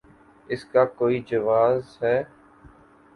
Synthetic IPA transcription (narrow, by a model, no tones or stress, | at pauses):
ɪskaːkoːiːd͡ʒəʋaːzɦɛː